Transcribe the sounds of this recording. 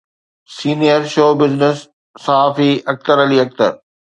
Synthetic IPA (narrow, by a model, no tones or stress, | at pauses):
siːnijəɾʃoːbɪznɪsː | aaːfiɐk̚t̪əɾɐliːɐk̚t̪ə̰ɾ